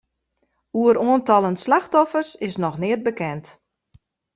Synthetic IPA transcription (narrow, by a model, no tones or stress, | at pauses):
uəɾoəntɑlˠənslaxtɔfərsɪsnɔxnɪət̚bəkɛnt